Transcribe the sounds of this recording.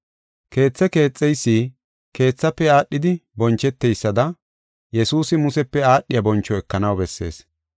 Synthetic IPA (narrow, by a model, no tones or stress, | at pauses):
ke̞ːt͡sːɛke̞ːt͡sʼːɛjsːiː | ke̞ːt͡sːɐpːɛaːɗːɪd̪ɪbɔnt͡ʃːɛt̪ːɛjsːɐd̪ɐ | jɛsuːsɪmʊsɛpːɛaːɗːɪjɐbɔnt͡ʃːɔɛkːɐnɐwbɛsːe̞ːs